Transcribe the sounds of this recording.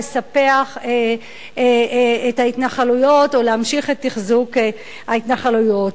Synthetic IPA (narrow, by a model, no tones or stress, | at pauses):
esape̞aχe | etaitnaχalujo̞toleamʃiχetːiχzuk | haitnaχalujo̞t